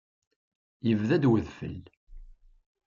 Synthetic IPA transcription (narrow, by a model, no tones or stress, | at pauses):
jəvðæd̪wəðfə̰l